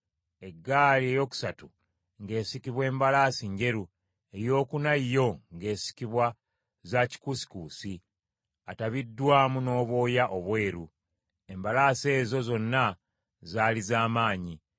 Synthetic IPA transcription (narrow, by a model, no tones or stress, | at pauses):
e̞ɡːaːlie̞jo̞ːku̥satu | ŋɡe̞ːsikiβwe̞ːmbalaːsiɲɟe̞ɾu | e̞jo̞ːkunajjo̞ŋɡe̞ːsi̥kiβwa | zaci̥kusi̥kuːsi | ataβidːwaːmuno̞ːβo̞ːjaʔo̞βwe̞ːɾu | e̞mbalaːse̞ːzo̞zo̞nːa | zaːlizaːmaːɲi